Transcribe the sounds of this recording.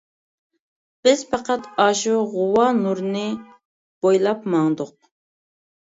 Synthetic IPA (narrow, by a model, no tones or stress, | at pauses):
b̥ɪz̥pɑqɑt̪ɑʃuʁʊwɑnuɾnɨ | b̥ojlˠɑpmɑŋd̪ʊq̚